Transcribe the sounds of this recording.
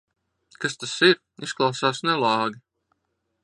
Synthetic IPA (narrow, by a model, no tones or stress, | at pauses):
kast̪asiɾ | isklˠɑwsaːsnɛlˠɑːɡi